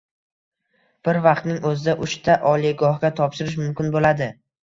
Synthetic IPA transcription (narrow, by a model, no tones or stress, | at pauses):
b̥ɪɾvɑqt̪nɪŋɵzɪd̪aʔʊʃt̪ʰaʔɒliɡɒhɡʲat̪ʰɒpʃɪɾɪʃ̬mʊmkʲɪnbolad̪ɪ